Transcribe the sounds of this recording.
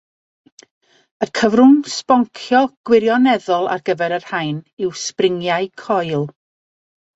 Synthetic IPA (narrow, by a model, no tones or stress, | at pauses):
əkʰəvrʊŋspɔŋkʰjɔɡ̥wɪɾjɔnɛðɔlˠa̰rɡəvɛɾərhajnɪwsprɪŋjaɨkʰɔjlˠ